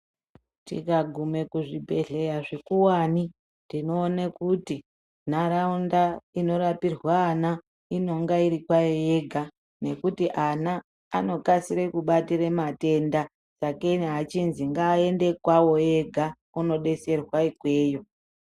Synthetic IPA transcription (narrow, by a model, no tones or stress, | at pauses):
tḭkaɡʱume̞kuʐibʱe̞ɮe̞jaʐekuwani | ndino̞ːnekuti | naɾaundaino̞ɾapirwaːna | ino̞ŋɡaiɾikwajoje̞ɡʱa | ne̞kutiʔanaː | no̞kasiɾekuɓatiɾemate̞nda | t͡sakenɦat͡ʃinziŋɡaːe̞nde̞kwawo̞je̞ɡʱa | uno̞ɗe̞se̞rwaikwe̞ːjo̞